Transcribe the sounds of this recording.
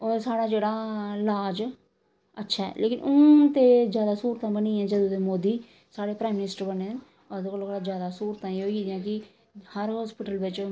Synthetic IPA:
oːɾsaːɽaːd͡ʒeːɽaːlaːd͡ʒ | ətːʃʰaːɛ̰ːlʔeːkɪnʔʊt̪eːzjaːd̪aːsuːɾt̪ãːbənĩːɛ̃ːd͡ʒəd̪oːd̪eːmoːd̪iː | saːɽeːpɾaːjmːɪnɪsʈəɾbəneːn | ɔd̪okəlokːɽad͡ʒjaːd̪aːsuːɾət̪ãːiɦoːiːd̪ɪjãːk̬ɪ | həɾɦɔːspɪʈəlʋɪt͡ʃ

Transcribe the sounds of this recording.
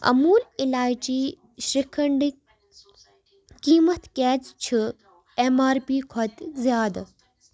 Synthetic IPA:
ɐ̰muːlɪlaːjt͡ɕiː | ʃɾikʰɐɳɖ | kiːmɐt̪kɛːt͡ʃt͡ʃʰɨ | emaːɾpiːkʰɐt̪zjaːd̪

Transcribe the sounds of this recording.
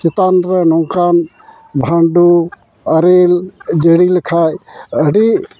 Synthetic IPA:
kit̪anɾənɔŋkan | bʱaɳɖu | ɐɾeld͡ʒəɽiləkʰajəɽi

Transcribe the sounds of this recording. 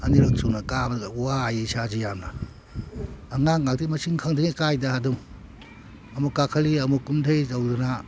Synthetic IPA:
ɐniɾɐk̚sunakabɡwajisazijamna | ŋaŋŋak̚timɐsiŋkʰaŋdiŋikajdaɦadum | ɐmukakʰaliɐmukumtʰejtawduna

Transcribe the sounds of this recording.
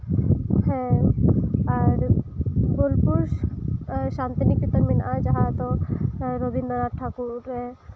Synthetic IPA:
hɛ̃ | aɾɡolpuɾ | ʃant̪inikbit̪ɔɾminad͡ʒaɦat̪ɔɾobind̪ɔɾaʈʈʰakuɾɛ

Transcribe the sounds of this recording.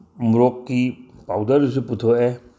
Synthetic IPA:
muɾɔkːipawdaɾus̬uputʰɔʔe

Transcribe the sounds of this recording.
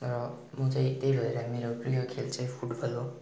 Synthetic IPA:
rʌ | mʌt͡saĩt̪ejbʱʌeɾʌmeɾoprijʌkʰelt͡saj̃pʰuʈbʱʌlo

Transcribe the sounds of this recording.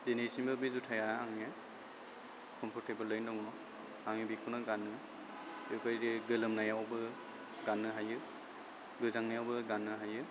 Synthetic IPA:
denesimbɯbizutʰajaaŋe | kʰɔmpʰɔɾtebɯlːɯjndɔŋɔma | aŋibikʰunɯɡanːɯ | tɯkajdeɡɯlɯmnajawbɯ | ɡanːɯɦajɯ | ɡɯzaŋnajawbɯɡanːɯɦajɯ

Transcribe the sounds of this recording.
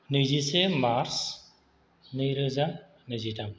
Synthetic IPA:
nɯzisemaɾs | nɯjɾɯza | nɯzitʰam

